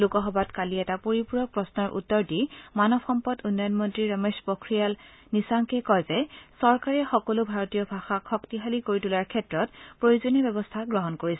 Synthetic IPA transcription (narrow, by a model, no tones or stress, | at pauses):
lukɔɦɔbatkaliɛtapoɹipuɹɔpɹɔsnɔɹʔṵtːɔɹdimanɔbxɔmpɔdunːɔjɔnmɔntɹiɹɔmespokʰɹijal | nisaŋkɛkɔjzɛsɔɹkaɹɛxɔkɔlubʱaɹɔtijɔbʱaxakʰxɔktiɦalikoɹitulaɹkʰɛtɹɔtpɹojozonibɛbɔstʰaɡɹɔɦɔnkoɹisɛ